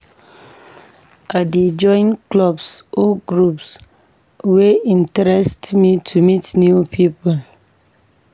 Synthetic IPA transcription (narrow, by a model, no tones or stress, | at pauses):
aded͡ʒɔ̃ɪ̃nklɔbsoɡɾups | weĩntɛɾɛstmitʰumitnjupʰipəl